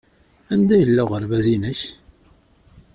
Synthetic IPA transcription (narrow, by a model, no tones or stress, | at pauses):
ænd̪æjəlːʊʁəɾvæzinəç